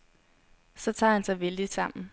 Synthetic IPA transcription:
sɒ̽t͡sʰɑ̰̈ːhænsɑ̈ɪʋeld̥id̥sɑ̈m̰n̩

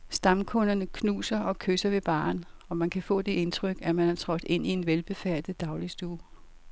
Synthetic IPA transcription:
sd̥ɑ̈mkʰɔ̽nɐnəkʰnṵːsɐɒ̽kʰøsɐʋe̝b̥ɑ̰̈ːnɒ̽mænkʰæfɔ̰̽ːd̥e̝e̝nt͡sʰʁœɡ̥æmænhæt͡sʰʁɒ̽b̥d̥e̝n̰ie̝nʋelb̥e̝fæɐ̰d̥ð̩ˠd̥ɑ̈ʊlisd̥uː

